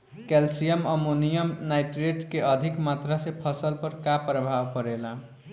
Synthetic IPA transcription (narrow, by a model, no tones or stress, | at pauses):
kelsijəməmunijəmnajʈɾeʈkeʔəd̪ʱikmat̪ɾasepʰʌsəlpəɾkapɾəbʱabkəɾela